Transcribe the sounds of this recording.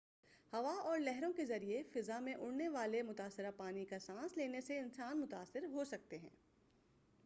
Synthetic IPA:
hɐʋaɔːɾlɛɦɾõkezɐɾiefɪzamẽʔʊɽneʋaːlemʊt̪aːsːɪɾapaːnikasãːsleːneseɪnsaːnmʊt̪aːsːɪɾɦosɐk̚t̪eɦɛ̰̃ː

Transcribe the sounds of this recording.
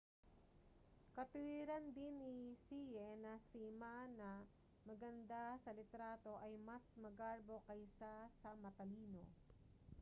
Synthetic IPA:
kɐt̪ʊiɾɐnd̪ɪnːɪsijɛnɐsimanɐ | mɐɡɐnd̪asɐlɪt̪ɾaːt̪o̞ʔɐjmɐsmɐɡaɹbo̞kɐjsasɐmɐt̪ɐliːno̰

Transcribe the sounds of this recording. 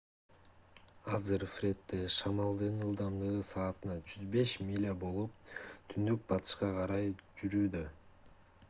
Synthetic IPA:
ɑzɯɾfɾʲe̞t̪ːeʃɑmɑlˠd̪ɯnɯlˠd̪ɑmd̪ɯʁɯsɑːt̪ɯnɑd͡ʒyzbe̞ʃmʲilʲabo̞lˠup̚t̪ʰynd̪yk̚bɑt̪ʰɯ̥ʃqɑqʰɑɾɑjd͡ʒyɾyːd̪ø

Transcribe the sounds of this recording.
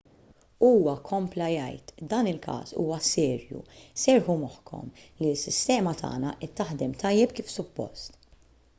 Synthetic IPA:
uːwɐkʰɔmplɐjɐ̰jt̪d̪ɐːnɪlkʰɐ̰ːsṵːwɐsɛːɾjṵsɛɾħumɔħkʰɔ̰mliɪsːɪst̪ɛːmɐt̪ʰɐ̰ːnɐ̰ʔɛt̪ːɐħd̪ɛmt̪ʰɐjːɛpkiːfsʊpːɔ̰st̪

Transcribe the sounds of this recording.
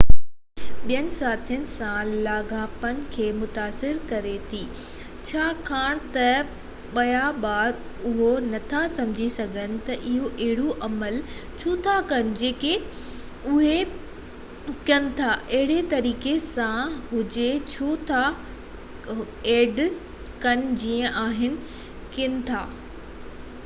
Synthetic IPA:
ɓijənɪ̆saːt̪ʰijənɪ̆sãlaːɡʱaːpənɪ̆kʰeːmʊt̪aːsɪɾkɐɾet̪ʰiː | t͡ɕʰaːkʰaːɽ̃t̪ɐ | ɓɐjabaːɾ | ʊɦonɐt̪ʰasɐ̃md͡ʑʱisɐɡʱənɪ̆t̪ɐʔɪɦoʔɐɦɪɽuʔɐməlt͡ɕʰoːt̪ʰakɐnɪ̆d͡ʑeːke | ʊɦe | kənɪ̆t̪ʰaʔɐɦɪɽet̪ɐɾiːkesãɦʊd͡ʑet͡ɕʰoːt̪ʰa | eːɖ | kɐnɪ̆d͡ʑiːə̃ʔaːɦɪnɪ̆ | kɪnɪ̆t̪ʰaː

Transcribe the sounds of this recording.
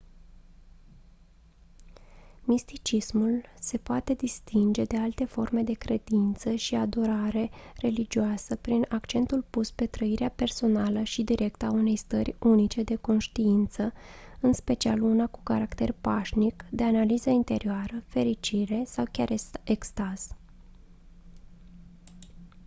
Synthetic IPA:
mist̪it͡ʃismulse̞poat̪e̞d̪ist̪ind͡ʒe̞d̪e̞alt̪e̞fo̞rme̞d̪e̞kɾe̞d̪int̪səʃiad̪oɾaɾe̞re̞lid͡ʒioasəpɾinakt͡ʃe̞nt̪ulpuspe̞t̪ɾəiɾeape̞rso̞naləʃid̪iɾʔe̞kt̪aune̞jst̪ərʲunit͡ʃe̞d̪e̞ko̞nʃt̪iint̪səɨnspe̞t͡ʃialunaku̥kaɾakt̪e̞rpaʃnikd̪e̞analizəint̪e̞ɾioaɾəfe̞ɾit͡ʃiɾe̞sawkʲaɾekst̪az̥

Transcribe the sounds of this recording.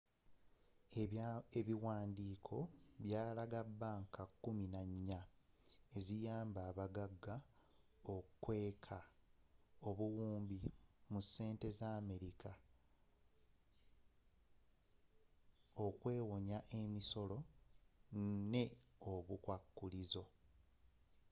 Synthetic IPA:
eβiwaːndiːkʰo̞βjaːlaɡabːaŋkakːuminaɲːa | ezijaːmbaːβaɡaɡːa | okːwe̞ːkʰa | o̞βuwuːmbimusːe̞ːnte̞zaːme̞ɾika | o̞kwe̞ːwo̞ɲaʔe̞miso̞lo̞ | ne̞oβukwakːulizo̞

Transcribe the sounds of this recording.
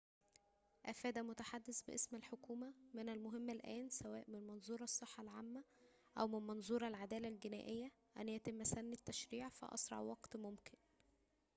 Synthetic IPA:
ʔæfæːd̪æmʊt̪aħad̪ːesbɪ̰ʔesmælħokuːmæmɪnælmʊɦemːælʔæːnsæwæːʔmɪnmɑnzˤuːɾˤɑsˤːeħːɑlʕaːmːæ | ʔæwmɪnmɑnzˤuːɾˤɑlʕad̪æːlælɡenæ̰ːʔejːæ | ʔænjæt̪ɪmːæsænːæt̪ːæʃɾiːʕfæ̰ʔɑ̰sɾˤɑ̰ʕwɑɡt̪momkɪn

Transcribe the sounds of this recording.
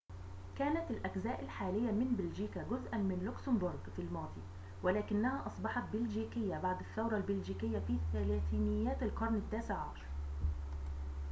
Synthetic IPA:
kæːnæt̪ɪlʔæɡzæːʔɪlħaːlɪjːæmɪnbɪld͡ʒiːkæɡʊzʔænmɪnlʊksɪmbʊɾˤɡfilmɑːd̪ˤḭ | wælæːkɪnːæhæːʔɑsˤbɑħɑt̪̚bɪlʒiːkɪjːæbaʕd̪ɪθːawɾˤɑlbɪld͡ʒiːkɪjːæfiːθælæːθinɪjːæːt̪alqɑɾˤnɪt̪ːæːseʕʕɑʃɑɾˤ

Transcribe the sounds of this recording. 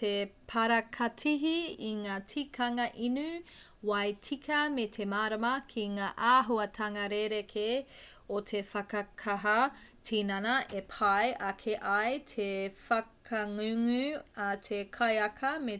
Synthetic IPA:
tepʰɐɾɐkʰɐtʰiɦiiŋaːtʰikʰɐŋɐʔinʉ | wɐjtʰikʰɐmetʰemaːɾɐmɐkʰiŋaːʔaːɦuɐtʰɐŋɐɾeɾekʰe | otʰefɐkɐkʰaɦɐ | tʰiːnɐnɐʔepʰɐjʔɐkʰeʔɐjtʰefɐkʰɐŋʉŋʉatʰekʰɐjɐkʰɐme

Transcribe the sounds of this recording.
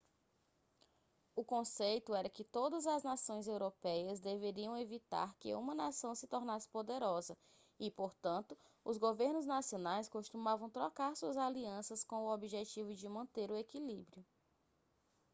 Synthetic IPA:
ʊkõsejt̪ʊɛɾɐkɪt̪od̪ɐzɐznasõj̃zewɾopɛjɐzd̪eveɾiɐ̃w̃evit̪a̰ɾkɪ̰ṵ̃mɐnasɐ̃w̃sɪt̪oɾnasɪ̥pod̪eɾɔzɐ | ɪpoɾt̪ɐ̃nt̪ʊ | ʊzɡoveɾnʊznasionajskoʃt̪umavɐ̃w̃t̪ɾɔkaɾsuɐzaliɐ̃sɐskõw̃ʊobiʒet͡ʃivʊd͡ʒɪmɐ̃nt̪eɾʊekilibɾiʊ

